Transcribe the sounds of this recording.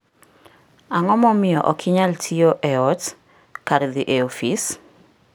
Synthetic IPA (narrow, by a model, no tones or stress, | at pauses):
aŋɔmɔmɪjɔ̰ʔɔkʰɪɲaltʰioʔɛɔt | kaɾd̪ɪʔeofis